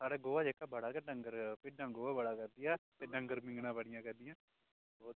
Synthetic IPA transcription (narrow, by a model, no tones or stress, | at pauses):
saːɽeːɡoːʋad͡ʒeːkabəɽaːkɛɖə̃ŋɡəɾpɪɖːãɡoːʋabəɽakɐɾd̪ɪjaːt̪eɖə̃ŋɡəɾmɪ̃ŋɡnãːbəɽɪjãkɐɾd̪ɪjãː | bɔː